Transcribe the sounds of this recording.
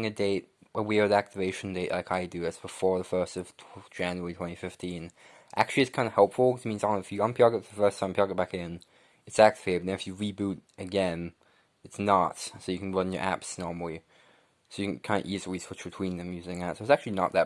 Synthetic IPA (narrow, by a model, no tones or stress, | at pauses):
ɪ̃ŋɨdeɪt̚wəwiə˞ðiæk̚tɨveɪʃn̩deɪʔlaɪkaɪdɨɨtsb̥əfɔɹðəfɜ˞stʌv̥tʰd͡ʒæ̃njəɹitʰw̥ɛ̃ñifɪftʰĩn | ʔæ̰k̚t͡ʃʉl̩ˠiɨtskʰãɪ̃ndəhɛlˠpfl̩ˠkʌ̥t͡ʃmĩnzãŋɪfjɨə̃npʰjɑɡəðəfɜ˞stʰãɪ̃mpʰjɑɡəbækɨɡɛ̃n | ɨtsæk̚tfeɪbn̩ðɨ̃nɨfjɨɹibuɾɨɡɛ̃n | ɨtsnətsoʊjɨkʰn̩ɹʌ̃njə̰˞ʔæ̰psnɔɹml̩ˠi | soʊjɨkʰɨ̃nkʰãɪ̃nd̰əʔizəɹisʰw̥ɪt͡ʃb̥ɨtʰw̥ĩnðɨ̃mjʉzɪ̃ŋæsoʊtsæk̚t͡ʃʉl̩ˠinə̰t̪̚ðɨt̚